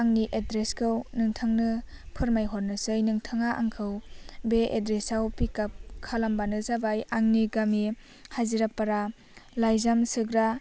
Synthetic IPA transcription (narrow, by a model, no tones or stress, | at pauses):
aŋniʔedɾeskʰɯwnɯŋtʰɯŋnɯ | pʰɯɾmajɦɔɾnɯsɯjnɯŋtʰɯŋaʔaŋkʰɯwbeʔedɾesawpikap̚kʰalambanɯzabajaŋniɡami | haziɾapːaɾa | lajzamsɯɡɾa